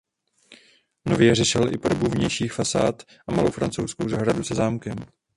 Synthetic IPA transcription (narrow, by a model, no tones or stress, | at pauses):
no̞vjɛrɛʃɪlʔɪpodobuvɲɛjʃiːxfasa̰ːt̪ | ʔamalowfɾa̰nt͡sowskowzaɦɾadusɛzaːmkɛm